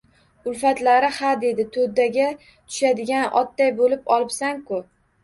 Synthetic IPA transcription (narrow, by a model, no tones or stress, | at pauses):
ʊlfat̪laɾɪhad̪ed̪ɪt̪ʰod̪aɡʲa | t̪ʰʊ̥ʃad̪ɪɡʲanɒ̰t̪ːajbolɪpɒlˠɪpsaŋkʊ